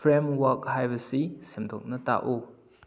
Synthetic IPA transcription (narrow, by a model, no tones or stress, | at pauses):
fɾemwak̚ɦajbɐsisemdɔk̚nɐta̰ʔu